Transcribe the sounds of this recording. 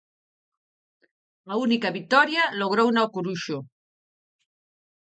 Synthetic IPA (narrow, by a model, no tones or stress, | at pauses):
aunikaβik̚t̪ɔɾjaloɣɾownaokuɾuʃo